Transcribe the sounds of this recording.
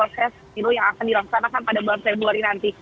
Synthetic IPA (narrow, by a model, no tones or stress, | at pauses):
osɛs | ilujaŋakandiɾaŋsanakanpadabaafebuaɾinant̪i